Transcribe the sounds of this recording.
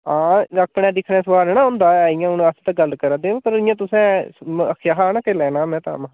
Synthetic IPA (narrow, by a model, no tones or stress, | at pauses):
ãːəpɳɛːd̪ɪkʰnɛːsəʋaːɾnãːɦʊnd̪aːɛɪjãːʊnəst̪aɡəlkəɾad̪ẽːpəɾɪjãːt̪ʊsɛ̃ːəkʰjaːɦaːnãːkelɛːnaːmɛ̃ːt̪a̰ːmã